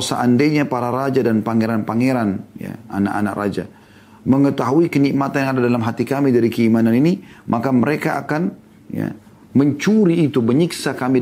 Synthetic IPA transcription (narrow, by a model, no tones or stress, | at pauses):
sa̰ʔandeɲapaɾaɾad͡ʒadanpaŋeɾanpaŋeɾanja̰a̰naʔa̰nakra̰d͡ʒa | məŋət̪aɦuikənik̚mat̪anjaŋadadalamɦat̪ikamidaɾikəimananinimʔakaməɾekaʔa̰kan | ja̰ | məɲt͡ʃuɾiːt̪ubəɲiksakami